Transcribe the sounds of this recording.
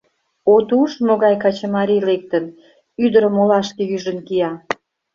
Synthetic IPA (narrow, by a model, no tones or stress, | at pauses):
ot̪uʃmoɣɑjkɑt͡ɕəmɑɾʲilek̚t̪ən | yd̪əɾə̆molɑʃkejyʒənkijɑ